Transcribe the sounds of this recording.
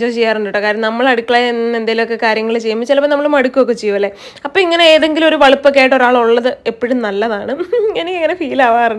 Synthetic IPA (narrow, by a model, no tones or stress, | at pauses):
d͡ʑoːt͡ɕejːaːruɳɖuʈːɐkːaːɾɐɐmnɐmːɐɭɐɽukːɐɭenend̪aːjilokːekaːɾjɐŋːɐɭɨt͡ɕe̞jːumːbit͡ɕːilɐpːɐnɐmːɐɭumɐɽukːuʋokːet͡ɕejːuʋɐlːe | ɐpːoiŋːɐneeːðe̞ŋɡilmo̞ɾuʋɐɭipːokːaːjiʈːo̞ɾaːɭuɭːɐðɨepːiɽumnɐlːɐðaːɳɨiŋːɐneeŋːɐne̞fiːlaːʋaːruɳɖ